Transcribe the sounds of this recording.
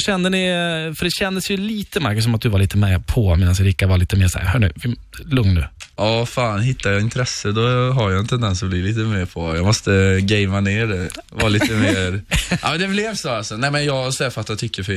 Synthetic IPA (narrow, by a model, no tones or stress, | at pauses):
ɕɛnd̪əɳɪfœɖɛɕɛnd̪əsjɵliːt̪əmaɾkɵs̬ɔmat̪̚d̪ɵvaɾɭiːt̪əmɛjapʰɔmeːd̪ansjaɾɪkːad̪vɑːliːt̪əmeːʂæ̰ɾhœːɳʉ̰vɪlɵŋnːʉ̰ːʔɑːfaːnɦɪt̪ːajɑɪnt̪ʰɾɛsːəd̪ɔɦaɾjaɛnt̪ʰɛnd̪ɛnsɔbliːliːt̪əmeːɾpʰɔjɑmɔst̪əɡɛɪmaneːɖɛ | vɑːliːt̪əmeːɾʔa̰mɛnd̪ɛblevsoalsɔnɛmɛnjɑːɡasɛːfat̪jat̪ʰʏkːəfœ